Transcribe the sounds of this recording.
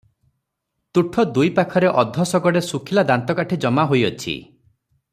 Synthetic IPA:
t̪uʈʰɔd̪ujpakʰɔɾeʔɔd̪ʱːɔsɔɡɔɽesukʰilad̪ant̪ɔkaʈʰed͡ʒɔmaɦojɔt͡ʃʰḭ

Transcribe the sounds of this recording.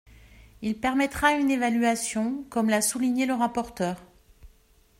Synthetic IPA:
ilpɛʁmɛt̪χaynevalyasjɔ̃kɔmlasuliɲeləʁapɔʁt̪œːʁ

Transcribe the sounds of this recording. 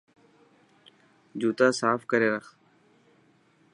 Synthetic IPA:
d͡ʒuːt̪aːsaːfkəɾeːɾəx

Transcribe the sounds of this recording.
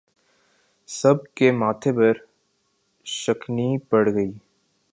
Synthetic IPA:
sɐb̚kemaːt̪ʰepɐɾ | ʃəknipɐɽɡəiː

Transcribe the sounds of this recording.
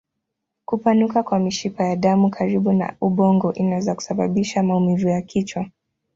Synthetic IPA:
kupanukakwamiʃipajaɗamukʰaɾiɓuna̰uɓɔŋɡɔʔinawɛzaku̥saɓaɓiʃamaumivujakʰit͡ʃwa

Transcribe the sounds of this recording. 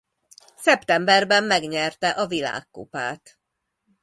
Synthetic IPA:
sɛpt̪ɛmbɛrbɛmːɛɡɲɛrt̪ɛʔɒvila̰ːkːo̰pa̰ːt̪

